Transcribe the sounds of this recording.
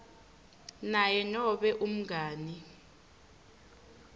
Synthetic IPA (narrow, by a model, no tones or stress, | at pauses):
najɛnɔɓɛʔum̩ɡʱaːni